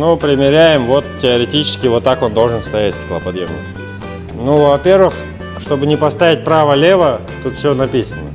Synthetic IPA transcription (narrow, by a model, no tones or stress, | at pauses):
nupɾʲɪmʲɪɾʲæjɪmvo̞t̪tʲːɪəɾʲɪtʲit͡ɕɪ̥skʲɪvo̞t̪ːako̞nd̪o̞lˠʐɨnst̪ɐjætʲsʲklˠɐpɐd̪jemnʲɪ̰k | nuvɐpʲe̞rvɨx | ʂt̪o̞bɨnʲɪpɐst̪avʲɪt̚ʲpɾavəlʲe̞və | t̪ut̪fsʲonɐpʲisənə